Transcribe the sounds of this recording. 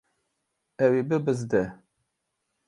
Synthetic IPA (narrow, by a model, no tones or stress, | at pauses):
ɛwebɨbɨzd̪ɛ